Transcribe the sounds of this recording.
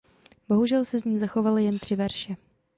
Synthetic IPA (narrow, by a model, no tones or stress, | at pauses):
b̥o̞ɦuʒɛlsɛzɲiːzaxo̞valɪjɛnt̪r̝̥ɪvɛɾʃɛ